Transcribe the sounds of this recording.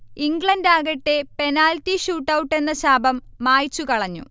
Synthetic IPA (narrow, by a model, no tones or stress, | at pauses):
iŋɡɭɐndaːɣɐʈːe̞pe̞naːltiɕuːʈːɐwʈːe̞nːɐɕaːbɐmːaːjt͡ɕːukɐɭɐɲːṵ